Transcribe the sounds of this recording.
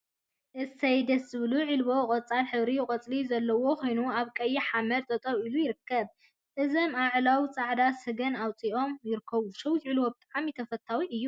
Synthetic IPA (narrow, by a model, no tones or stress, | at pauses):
ʔɨɐjd̪ɐszɨβluʕilbo̞kʼɔt͡sʼalħɨβɾijɪkʼɐt͡sʼlizɐlːɐwo̞kʰo̞jnuaβkʼɐjːiħamɐd̪t̪ʼɐt̪ʼoβilujɪɾɨkʰːɐβ | ʔɨzomaʕlawt͡sʼaʕd̪asɨɡɐnawt͡sʼiʔo̞mjɪɾɨkʰːɐβuʃɐwt̪ʕilwobɨt̪ʼaʕmit̪ʰɐfɐt̪ʰːawiʔɨjːu